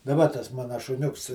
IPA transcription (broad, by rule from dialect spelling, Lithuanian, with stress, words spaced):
dɐˈbɐ tɐs ˈmɑːnɐ ʃʊˈnʲʊks